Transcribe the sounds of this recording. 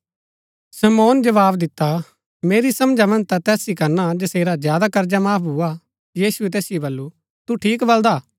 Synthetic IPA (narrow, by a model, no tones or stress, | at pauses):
sɐmɔːnd͡ʒɐʋaːbd̪ɪt̪ːa | meːɾisɐ̃md͡ʒamɐ̃nd͡ʒt̪at̪ɛːsikɐɾnad͡ʒɐseːɾazjaːd̪akɐɾd͡ʒamaːpʰɦua | jiːsuɛt̪ɛːsɪjebɐlːu | t̪uʈʰiːkbɐld̪aː